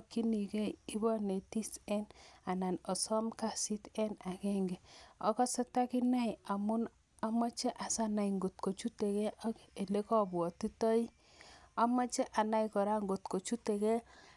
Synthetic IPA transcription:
ki˦ni˨kɛ˦ji˦bne˨ti˦sɛ˦na˨na˨nɔ˨sɔ˦mka˨si˦tɛ˦na˨kɛ˦ŋɡɛ˨ɔ˦kɔ˦sɛ˦ta˦kɪ˦na˦ja˨mʊ˦n | a˦ma˦t͡ʃe˦ʔa˨sa˦na˨i˨ŋɡo˨t̚ko˨t͡ʃu˦te˨kɛ˦ʔa˦ke˨le˦kɔ˦bwɔ˨ti˦tɔ˦i˦ | a˦ma˦t͡ʃɛ˦ʔa˨na˦ikɔ˨ɾa˦ŋɡo˨tko˨t͡ʃu˦te˨kɛ˦

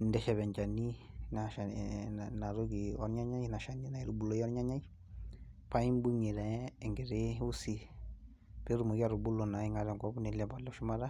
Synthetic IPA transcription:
ndɛ˦ʃɛ˨βɛ˨ɲt͡ʃa˨ni˦na˨ʃa˨na˨ɾo˦ɡi˨ɔ˦ɾɲa˦ɲa˦jna˨ʃa˨ni˦na˨i˨ɾu˨bu˨lo˦i˦ɔ˦ɾɲa˦ɲa˦i˦ | pa˦i˦mbu˦ɲi˨ɾɛ˦˨ŋɡɪ˨ɾe˦u˦si˨ | pe˦ɾu˨mo˨ɡi˦a˦ɾu˨bu˦lo˨na˨i˦ŋa˦ɾɛ˨ŋɡɔ˦bni˨lɛ˨bɔ˨lɛ˦ʃu˦ma˦ɾa˦

